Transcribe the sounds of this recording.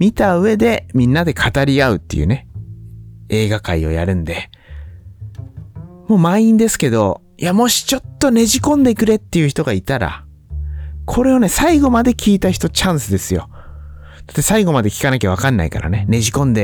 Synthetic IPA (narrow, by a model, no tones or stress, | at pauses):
mʲit̪aɯ̟e̞d̪e̞mʲĩnːad̪e̞kʰat̪aɾʲiaɯ̟t̪ːe̞jɯ̟̰ne̞ | e̞ːɡakaio̞̰ja̰ɾɯ̟̃nd̪e̞ | mo̞ːmaĩnd̪e̞sɨ̥ke̞d̪o̞ | jamo̞ɕi̥t͡ɕo̞t̪ːo̞ne̞ʑikõ̞nd̪e̞kɯ̟ɾe̞t̪ːe̞jɯ̟çi̥t̪o̞ɡait̪aɾa̰ | kʰo̞ɾe̞o̞ne̞saiɡo̞mad̪e̞kʲiːt̪açi̥t̪o̞t͡ɕãɰ̃sɨd̪e̞sɨjo̞̰ | d̪̥ḁt̪ːe̞saiɡo̞mad̪e̞kʲi̥kanak̬ʲaβ̞akãnːa̰ika̰ɾa̰ne̞ne̞ʑikõ̞nd̪e